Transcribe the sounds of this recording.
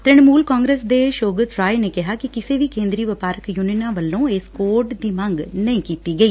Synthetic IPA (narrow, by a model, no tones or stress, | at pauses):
t̪ɪɳ̃muːlkãːŋɡɾeːsd̪eːʃoːɡət̪ɾaːeneːkɪɦaːkikɪseːʋiːkẽːnd̪ɾiːʋəpaːɾəkjuːninãːʋəlːõːeːskoːɾʈd̪iːmə̃ŋɡnəĩːkiːt̪iːɡəiː